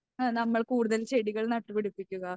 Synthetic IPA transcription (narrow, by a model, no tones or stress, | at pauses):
nɐmːɐɭkuːɽuðɐlɕeɽiɣɐɭnɐʈːɨpeɽupːikʲːuɣɐ